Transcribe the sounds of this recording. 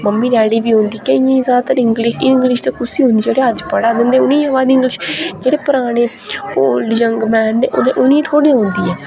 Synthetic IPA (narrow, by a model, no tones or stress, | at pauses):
məmːiːɾɛːɽiːbiːɦõːnd̪iːkəĩzaːt̪əɾɪŋɡlɪʃɪŋɡlɪʃt̪eːkʰʊsiːɦʊ̃nd̪iːd͡ʒeːɽeːəd͡ʒpəɽaːd̪ɪnd̪eːʊnĩːəʋaːd̪ɪ̃ŋɡlɪʃd͡ʒeːɽeːpʊɾaːɽ̃eː | poːld͡ʒəŋɡmɛːndeːʔo̰ːd̪eːʔʊnĩːt̪ʰoːɽijãːɦʊ̃nd̪iːɛː